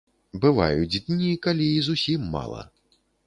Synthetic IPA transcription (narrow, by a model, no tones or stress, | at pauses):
bɨva̰jud͡zʲd̪ʲnʲikalʲiːzusʲimːa̰lˠɐ̰